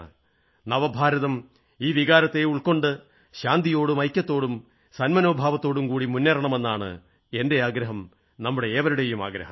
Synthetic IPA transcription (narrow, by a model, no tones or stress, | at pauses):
nɐʋɐbʱaːɾɐðɐm | iːʋiɣaːɾɐt̪ːe̞uɭko̞ɳɖɨ | ɕaːnd̪ijo̞ːɽumɐjkʲːɐt̪ːo̞ːɽum | sɐnmɐno̞ːbʱaːʋɐt̪ːo̞ːɽumkuːɽimunːɐɾɐɳɐme̞nːaːɳɨ̰ | e̞nde̞aːɡɾɐɦɐm | nɐmːuɽe̞eːʋɐɾuɽe̞juma̰ːɡɾɐ̰hɐm